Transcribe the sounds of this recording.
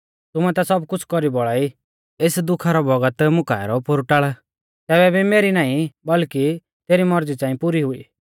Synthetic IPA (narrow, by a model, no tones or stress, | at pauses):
t̪ʊmɛt̪asɔbkʊt͡ʃʰkɔɾibɔɭaːi | eːsd̪ʊkʰaɾɔbɔɡət̪mʊkaːɛɾɔpoɾʈaːɭɛ | t̪ɛːβɛbimeːɾinãːĩbɐlki | t̪eːɾimɔɾd͡zit͡sãːĩpuːɾiɦʊḭː